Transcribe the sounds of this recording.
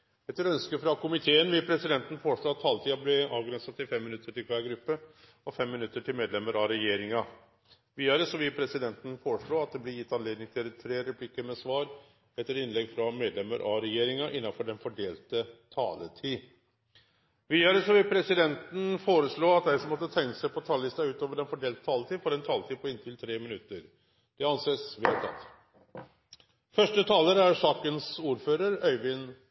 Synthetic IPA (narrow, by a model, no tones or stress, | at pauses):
ɛt̪ːəɾœnskəfɾɑkʊmɪt̪ʰeːənʋɪlpʰɾɛsɪd̪ɛnt̪ən̩foːʂɭoːɑt̪ʰːɑːlt̪ʰiːɑblɛɑːʋɡɾɛnsɑt̪ʰːɪlfɛmːɪnʉt̪ːəʈɪlkʰʋæːɾɡɾʉpːə | ɔfɛmːɪnʉt̪ːəʈʰɪlmeːd̪lɛmːəɾɑɾɛjeːɾɪŋɑ | ʋiːɑɾəsɔʋɪlpʰɾɛsɪd̪ɛnt̪n̩foːɾəʂɭoːɑt̪̚d̪ɛblɪjɪt̪ːɑnleːd̪nɪŋt̪ʰɪlɛt̪ʰɾeːɾɛpʰlɪkːəmɛsʋɑːɾ | ɛt̪ːəɾɪnlɛɡfɾɑmeːd̪lɛmːəɾʔɑɾɛjeːɾɪŋɑʔɪnːɑnfɔɖɛnfɔɖeːlt̪ət̪ʰɑ̰ːlət̪ʰiː | ʋiːɑɾəsɔʋɪlpʰɾɛsɪd̪ɛnt̪n̩foːɾəsɭoːɑt̪̚d̪æɪsɔmɔt̪ːət̪ʰɛŋːəsæɪpʰɔt̪ʰɑləlɪst̪ɑʉːt̪oːʋəɖɛnfɔɖeːlt̪ət̪ʰɑːlət̪iːfɔɾɛnt̪ʰɑːlət̪ʰiːpʰɔɪnt̪ʰɪlt̪ʰɾeːmɪnʉt̪ːəɾ | d̪̥ɛɑnseːsʋɪɑt̪ʰɑ̰t̪ː | fœʂʈət̪ʰɑːləɾæɾʂɑːkənsuːɾføːɾəɾœʏʋɪn